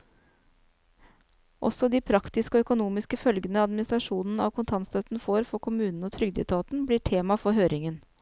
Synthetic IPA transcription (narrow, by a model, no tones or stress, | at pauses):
ʔɔ̰sɔd̪iːpʰɾɑkt̪ɪskəɔœkʊnuːmɪskəfœlɡənəɑd̪mɪnɪst̪ɾɑʂuːnn̩ɑ̰ʋkʰʊnt̪ʰɑnst̪œt̪n̩foːɾfɔɾkʰʊmʉːnn̩ɔːt̪ʰɾʏɡd̪ɛ̰t̪ʰɑːt̪n̩bliːʈʰeːmɑfɔɾɦøːɾɪŋən